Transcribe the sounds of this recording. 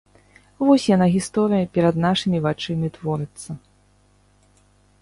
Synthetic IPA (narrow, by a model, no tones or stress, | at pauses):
vɔsʲjanaɣʲist̪ɔɾɨjɐpʲɛɾɐd̪naʂɨmʲivat͡ʂɨmʲit̪vɔɾɨt̪sːɐ